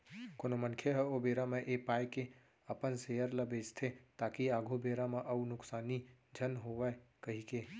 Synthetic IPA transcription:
konomənkʰjeɦɛobeɾameʔepaːjke | əpənsejəɾləbed͡ʒt̪ʰet̪aːkiaɡʱubeɾameʔəunʊksaːnid͡ʒʱənɦoʋəkəɦike

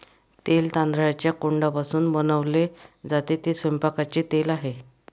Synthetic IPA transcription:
t̪elt̪ãnd̪ɾajat͡ɕjakuɳɖapasuːnbənəʋled͡zat̪et̪esʋempakat͡ɕit̪elaɦe

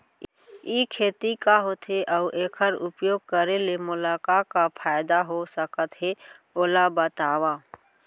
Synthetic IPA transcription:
iːkʰeːt̪ikaɦot̪ʰeʔaʊʔeːkʰəɾʊpjoːɡ̚kəɾelemʊlaːkaːkapʰaːjd̪aɦosəkət̪ɦe | oːlabət̪aːwaː

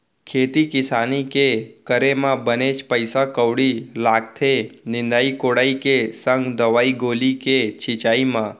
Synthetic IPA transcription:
kʰet̪ikɪsanikekəɾemãbənet͡ʃpəjsakəʋɽilaɡ̚t̪ʰenɪ̃nd̪aikoɽaikesə̃ŋɡd̪əʋaiɡoliket͡ʃʰɪt͡ʃaimã

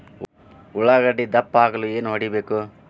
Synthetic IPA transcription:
uɭaɡɐɽːid̪ɐpːaːɡɐlue̞ːnuɦɐɽibeːku

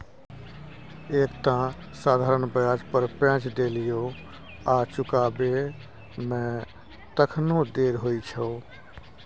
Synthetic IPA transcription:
eːkt̪ã | saːd̪ʱaːɾənbəjaːd͡ʒpəɾpɛ̃ːt͡ʃd̪eːlɪjoː | aːt͡ʃʊkaːbe | mɛ̃ː | t̪əkʰnõd̪eːɾɦoit͡ʃʰoː

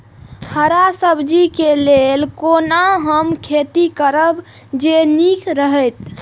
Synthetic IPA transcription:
həɾasəbd͡ʒikelelkonaɦəmkʰet̪ikəɾəb | d͡ʒenikʰɾəɦɛjt̪

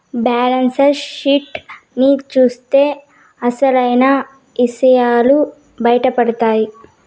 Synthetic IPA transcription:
baːlɐnsɐɾʃiʈ | nit͡ʃuːst̪e̞ː | ɐsɐlɐjnɐ | isɐjaːlu | bɐjɐʈɐpɐɽɐt̪aːji

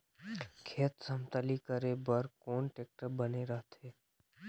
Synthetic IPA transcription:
kʰeːt̪səmt̪əlikəɾeːbəɾkoːnʈeːk̚ʈəɾbəneɾəɦt̪ʰeː

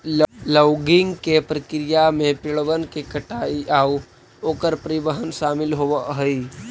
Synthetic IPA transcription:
lləwɡɪŋɡkepɾəkɾijamẽpɪɭʋənkekəʈaiʔau | oːkəɾpɾibəɦənʃamɪlɦoʋəɦəi

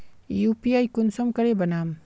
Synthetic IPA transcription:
jupiajkunsɔmkʌɾebʌnam

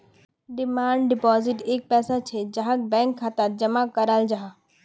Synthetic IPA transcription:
ɖɪmaːɳɖɖɪpɔːzɪʈeːk̚pɛːsat͡ʃʰed͡ʒɐɦãk̚bɛ̃ːŋkʰːat̪ad͡ʒɐmakɐɾəld͡ʒaɦa

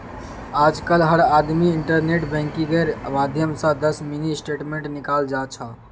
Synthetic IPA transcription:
ad͡ʒkəlɦəɽad̪miiɳʈəɾneʈbʱɛ̃ŋkiɡəɾmad̪ʱjəmsə̃d̪əsminisʈeʈmeɳʈnikald͡ʒat͡ʃʰə

